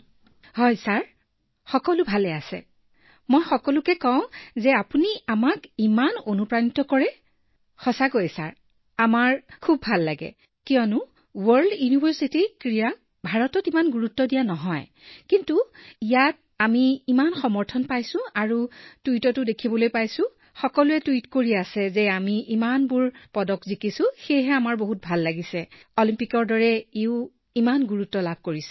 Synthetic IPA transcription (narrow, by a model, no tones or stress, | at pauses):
hɔjsaɹ | xɔkɔlʊbʱalɛasɛ̰ | mojxɔkɔlukɛkɔw̃zɛapuniamakimanonupɹanitɔkɔɹɛ | xɔsakojsa̰ɹ | amaɹkʰubʱalːaɡɛ̰ | kijɔnʊ | wɔɹldjunibʱəɹsitikɹija | bʱaɹɔtɔtimanɡuɹutːɔdijanɔɦɔj | kintuijat̚ | amiːmanxɔmɔɹtʰɔnpajsʊ̃aɹutuitɔtʊdekʰibɔlojpajsʊ̃ | xɔkɔluɛtuitkoɹiasɛzɛamiʔimanbuɹpɔdɔkzikisʊ̃xejɦɛamaɹboɦut̚bʱalːaɡisɛ | olimpikɔɹdɔɹɛeʊ | imanɡuɹutːɔlabʱkoɹisɛ̥